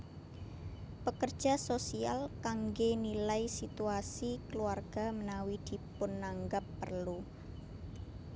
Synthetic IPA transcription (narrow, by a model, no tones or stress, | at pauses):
pəkərd̥ʒ̥a̤sosia̰lkaŋɡenilaisit̪uasikəluarɡ̥a̤mənawid̪̥i̤pʊnːaŋɡapːərlu